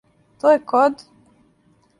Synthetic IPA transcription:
t̪ojekod̪

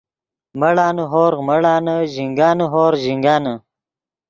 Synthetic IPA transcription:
mɐɽaːnuɦoːɾməɽaːnəʑiŋɡaːnuɦoːɾʑiŋɡaːnə

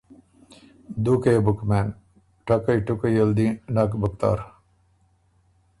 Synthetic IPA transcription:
d̪uːkeːbukmæːn | ʈɐkɐiʈukɐjəld̪iːnakbək̚t̪a̰ːɾ

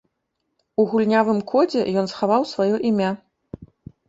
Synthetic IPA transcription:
uɣulʲnʲavɨmkʰɔd͡zʲɛ̰jɔnsxavawsvajɔʔimʲa

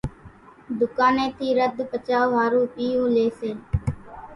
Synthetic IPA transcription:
d̪ʊkaːnẽːt̪iːɾəd̪pət͡ʃaːɦaːɾuːpiːũːleːseː

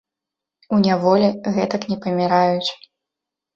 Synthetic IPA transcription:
unʲavɔlʲiɣɛt̪ɐknʲɛpɐmʲiɾajut͡sʲ

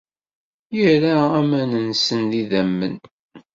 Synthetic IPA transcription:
jəɾaæmænənsənðiðæmːə̰n

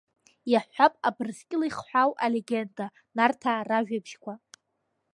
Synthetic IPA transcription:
jaħʷapʼabrskʲʼɪlajχħʷᶣawaleɡʲenda | nartʰaraʒᶣabʃkʷʰa

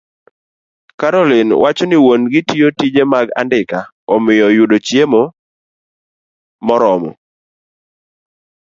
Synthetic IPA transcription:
kaɾɔlɪnwat͡ʃɔnɪwonɡɪtijotid͡ʒemaɡa̰ndɪka | ɔmɪjɔjudot͡ʃjemo | mɔɾɔmɔ̰

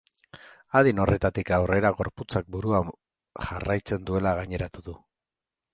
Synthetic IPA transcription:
aðino̞rʔe̞t̪at̪ikawre̞ɾaɣo̞ɾput͡sak̚buɾuam | ʝarajt͡se̞nd̪ue̞laɣaɲe̞ɾat̪uðu

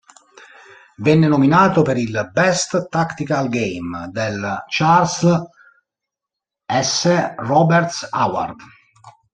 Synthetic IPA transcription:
vɛnːenominaːt̪opeɾilbɛst̪t̪akt̪ikalɡejmd̪elt͡ʃars | ɛsːerɔbɛɾt̪sawa̰rd̪

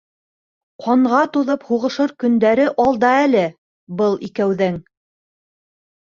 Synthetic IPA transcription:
qʰɑɴʁɑt̪uðɤphuʁɤ̆ʃɤɾkɵ̆nd̪æɾɘʔɑlˠd̪ɑælɘ | bɤlˠikæwðɘŋ

